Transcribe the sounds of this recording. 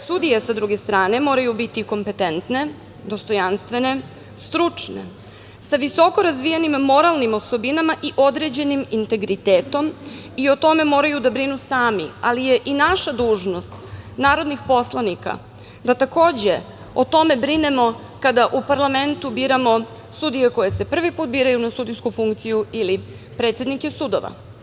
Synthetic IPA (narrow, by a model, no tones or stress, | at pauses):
sud̪ijesad̪ɾuɡest̪ɾaːne̞mo̞ːɾajubit̪iko̞mpe̞t̪ent̪ne̞ | d̪ost̪o̞janst̪ʋe̞ne̞ | st̪ɾut͡ʂne̞̰ | saʋiso̞ko̞ɾazʋijanimːo̞ɾalˠnimo̞so̞binamaʔiʔo̞d̪ɾe̞d͡ʑe̞nimint̪e̞ɡɾit̪eːt̪o̞m | io̞t̪o̞me̞mo̞ːɾajud̪abɾinusaːmḭalijeʔinaʃad̪uːʒno̞st̪naːɾo̞d̪nixpo̞slˠanika̰ | d̪at̪ako̞ːd͡ʑe | ot̪o̞me̞bɾine̞mo̞ | kad̪aʔupaɾlˠame̞nt̪ubiːɾamo̞ | sud̪ijeko̞jese̞pr̩ʋipuːt̪̚biːɾajunasud̪ijskufuŋkt̪sijuili | pɾet̪sjed̪nikesud̪oʋa̰